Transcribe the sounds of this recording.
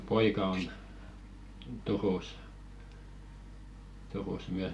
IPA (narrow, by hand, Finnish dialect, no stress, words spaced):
poikɑ on turus turus myæs